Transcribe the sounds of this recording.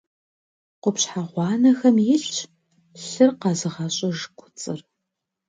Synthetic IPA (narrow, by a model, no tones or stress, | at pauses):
qʷʊpɕħaʁʷɑːnɐxɐmjɪɬt͡ʃ | ɬɨrqɑzɨʁɐɕʼɐʒkʷʰʊ̥t͡sʼɨr